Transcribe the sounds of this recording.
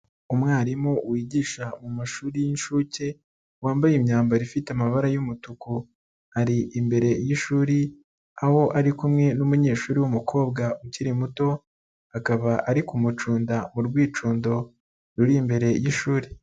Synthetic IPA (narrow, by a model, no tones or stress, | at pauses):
umŋaːɾimowiːɟiːʃamumaʃuːɾijinʃuːce̞ | waːmbajimɲaːmbaɾifiteamaβaɾajumutuku | haɾiʔimbe̞ɾe̞jiʃuːɾi | aho̞ʔaɾikumŋe̞numuɲe̞ːʃuːɾiwumukʰo̞ːbɡaʔuciɾimuto̞ | akaβaʔaɾikumut͡ʃuːndamuɾɡwiːt͡ʃuːndo̞ | ɾuɾimbe̞ɾe̞jiʃuːɾi